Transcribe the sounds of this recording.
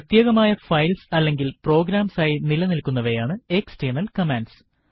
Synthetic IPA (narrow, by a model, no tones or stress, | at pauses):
ɐt̪jeːɣɐmaːjɐfɐjlsɐlːe̞ŋɡilpro̞ːɡɾaːmsaːjinilɐnilkunːɐʋejaːɳɨeksteːnɐlkɐmenɖs